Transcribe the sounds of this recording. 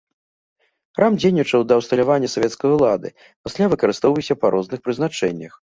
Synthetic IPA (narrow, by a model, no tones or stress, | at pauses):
xɾamd͡zʲejnʲit͡ʂɐwd̪ɐːwst̪ɐlʲavanʲːɐsavʲɛt̪skɐjulˠad̪ɨ̰ | pasʲlʲavɨkɐɾɨst̪ɔwvɐjwsʲɐpɐɾʔɔznɨxpɾɨznat͡ʂɛnʲːɐx